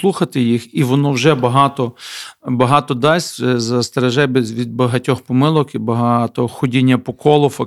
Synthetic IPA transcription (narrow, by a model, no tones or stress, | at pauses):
lˠuxɐt̪ɪjixiʋɔnɔwʒɛbɐɦɑt̪ɔbɐɦɑt̪ɔd̪ɑsʲɛzɐst̪eɾɐʒɛbɛzʋʲid̪̚bɐɦɐtʲɔxpɔmɪlˠɔkibɐɦɑt̪ɔxɔdʲinʲːɐpɔkɔlˠɔfɐ